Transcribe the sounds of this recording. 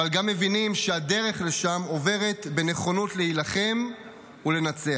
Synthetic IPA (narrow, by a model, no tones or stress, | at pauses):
alɡamːe̞vinimʃead̪eʁe̞χle̞ʃamo̞ve̞ʁe̞t̪be̞ne̞χo̞nutle̞hilaχe̞m | ule̞nat͡se̞a